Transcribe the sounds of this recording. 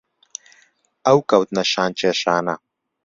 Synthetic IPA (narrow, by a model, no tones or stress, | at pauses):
ɐwkɐwt̪nɐʃaːnt͡ʃeʃaːna